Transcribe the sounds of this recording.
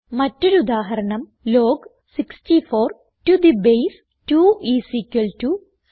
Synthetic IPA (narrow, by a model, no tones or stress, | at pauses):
mɐtːoɾud̪aːɦɐɾɐɳɐm | loːɡ | siksʈifoːɾ | ʈud̪ibejs | ʈuːiːsiːkɐlʈu